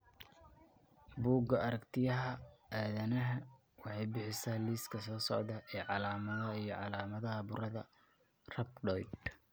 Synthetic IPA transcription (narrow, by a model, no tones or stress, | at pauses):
buːɡɐɐɾɐkt̪ʰɪjɐɦɐaːðɐnɐɦɐ | wɑħɑjbɪħɪsaːliːskʰɐsɔːsɔʕd̪ɐʔɛːʕɑlaːmɐðɐijɞʕɑlaːmɐðɐɦɐbʊɾɐðɐ | rɐbɖɔjd̪